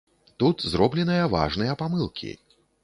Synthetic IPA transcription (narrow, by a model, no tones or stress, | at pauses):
t̪ut̪zɾɔblʲɛnɨjɐva̰ʐnɨjɐpamɨlˠkʲʰḭ